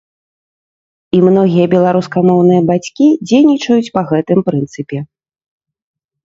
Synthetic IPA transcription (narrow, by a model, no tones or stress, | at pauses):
imnɔɣʲijɐbʲɛlˠaɾuskamɔwn̪ɨjɐbat͡sʲkʲid͡zʲejnʲit͡ʂɐjut͡sʲpɐɣɛt̪ɨmpɾɨnt̪sɨpʲɛ